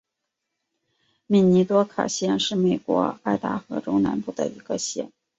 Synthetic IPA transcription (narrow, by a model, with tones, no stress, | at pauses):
mi˨˥˩ni˧˥t̪wɔ˥kʰa̰˨˩ɕjɛ˥˧nʂɻ̩˥˩me˨˩ɪkwɔ̰˧˥a˥˩t̪a̰˥xɤ̰˧˥ʈ͡ʂʊ˥ŋna˧˥npu˥˩d̪ə̰˨i˧˥ɡ̥ə˧ɕjɛ̰˥˩n